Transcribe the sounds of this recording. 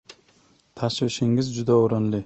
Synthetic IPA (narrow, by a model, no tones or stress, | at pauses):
t̪ʰaʃvɪʃɪŋɪzd͡ʒʊd̪aoɾɒnlɪ